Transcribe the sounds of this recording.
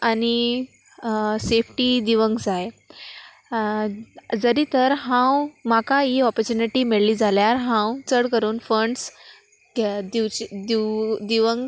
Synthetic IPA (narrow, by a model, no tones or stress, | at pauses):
ani | sefʈiːd̪iʋəŋɡd͡zaj | d͡zəɾiːt̪əɾɦãwmakaiɔpəɾt͡ɕuniʈiːmeɭliːd͡zaljaɾɦãwt͡səɽkəɾuːnfəɳɖs | d̪it͡ɕd̪id̪iʋəŋɡ